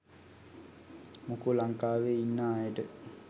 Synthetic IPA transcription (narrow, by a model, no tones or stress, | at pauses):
mukulaŋkaːʋeinːaːjəʈə